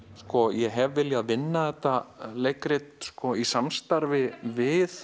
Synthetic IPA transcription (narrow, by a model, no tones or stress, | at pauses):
skɔjɛɦɛvːɪljaðvɪnːaðɛht̪ːaleːjkɾet̪skɔisamst̪aɾvɪvɪθ